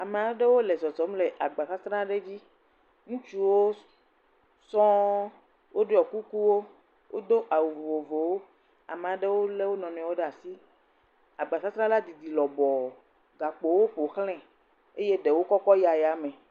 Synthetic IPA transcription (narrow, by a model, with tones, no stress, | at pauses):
a˨me˨a˨ɖe˦wo˦le˨zɔ˨zɔ˨˦mle˨ʔa˨ɡ͡ba˨sa˦t̪ɾã˦ɖe˦d͡ʑi˦ | ŋũ˦t͡ʃu˦wo˦ | sɔ̃˦ | wʔo˦ɖo˦ɔ˨ku˦ku˦wo˦ | wʔo˦d̪o˦ʔa˨wo˨vo˨vo˨vo˨wo˦ | a̰˨mẽ˨a˨ɖe˦wo˦le˦wo˦nɔ̃˨nɛ̃˨wo˦ɖe˦a˨si˦ | a˨ɡ͡ba˨sa˦t̪ɾã˦la˦d̪i˨d̪i˨lɔ˨bɔ˨ | ɡa˨k͡po˨wo˦ɸo˨xlɛ̃˦ | e˦je˦ɖe˨wo˦kɔ˦kɔ˦ja˨ja˨mɛ̃˨